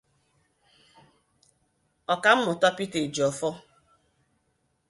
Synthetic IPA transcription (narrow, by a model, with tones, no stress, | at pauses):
ɔ˨ka˨m̩˦mʊ˨tɔ˦pi˦te˨d͡ʒi˨ɔ˨fɔ˦